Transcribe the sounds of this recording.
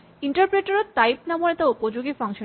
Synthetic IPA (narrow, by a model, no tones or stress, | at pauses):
iɳʈaɾpɾeʈoɾot̪ːajp̚namoɾet̪aupod͡ʑoɡifaŋʃo